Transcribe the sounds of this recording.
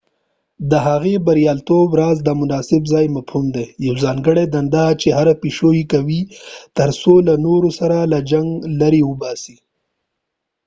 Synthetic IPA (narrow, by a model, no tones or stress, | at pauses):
d̪əɦaɣebaɾijɑːlt̪obɾɑzd̪əmʊnɑsɪbzɑːjmafhumd̪ejawzɑːŋɡəɽed̪and̪ɑt͡ʃeɦaɾapiʃojikawit̪əɾsolanoɾosaɾalad͡ʒaŋɡlaɾiwʊbɑsi